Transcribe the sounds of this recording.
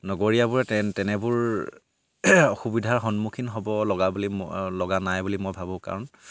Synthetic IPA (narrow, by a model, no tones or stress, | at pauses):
nɔɡoɹijabʊɹɛtɛtɛnɛbʊɹ | ɔxubidʱaɹɦɔnmukʰinɦɔbɔlɔɡabulilɔɡanajbulimɔjbʱabɔ̃ka̰ɹɔn